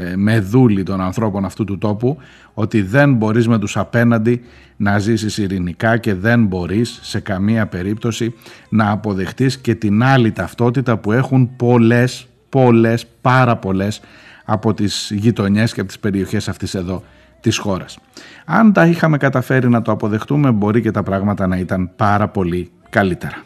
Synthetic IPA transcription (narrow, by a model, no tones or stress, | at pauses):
me̞ðulit̪o̞nɐnθɾo̞po̞nɐft̪ut̪ut̪o̞pu | o̞t̪iðe̞nbo̞ɾizme̞t̪usɐpe̞nɐnd̪i | nɐzisisiɾinikɐce̞ðe̞nbo̞ɾisːe̞kɐmiɐpe̞ɾipt̪o̞sinɐːpo̞ðe̞xt̪isce̞t̪inɐlit̪ɐft̪o̞t̪it̪ɐpue̞xunpo̞le̞s | po̞le̞spɐɾɐpo̞le̞s | ɐpo̞t̪iz̥ʝit̪o̞ɲe̞sceɐpot̪i̥spe̞ɾio̞çe̞sɐft̪ise̞ðo̞ | t̪isxo̞ɾɐsɐnt̪ɐixɐme̞kɐt̪ɐfe̞ɾinɐt̪o̞ɐpo̞ðe̞xt̪ume̞bo̞ɾice̞t̪ɐpɾɐɣmɐt̪ɐnɐit̪ɐnpɐɾɐpo̞li | kɐlit̪e̞ɾɐ